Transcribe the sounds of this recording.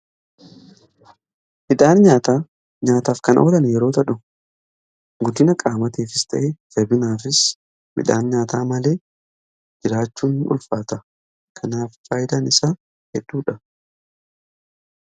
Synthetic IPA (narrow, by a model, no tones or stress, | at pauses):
mɪᶑ̪aːnɲaːt̪aː | ɲaːt̪aːfkɐnʔɐ̰olɐnjɛɾo̞ːt̪ɐᶑʊ | ɡʊd̪ːɪnɐkʼaːmɐt̪iːfɪst̪ʰɐ̰ʔed̪ɛbɪnaːfɪs | mɪ̰ᶑa̰ːnɲaːt̪aːmɐle̞ː | d͡ʒɪɾaːt͡ʃːuːnʔʊ̰lfaːt̪ɐ | kʰɐnaːffaːjd̪anɪsaː | hɛd̪ːuːᶑɐ